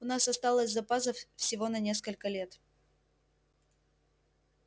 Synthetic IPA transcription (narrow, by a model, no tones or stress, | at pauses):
ʊnasɐst̪alˠəsʲzɐpasəffsʲɪvo̞nɐnʲe̞skəlʲkəlʲe̞t̪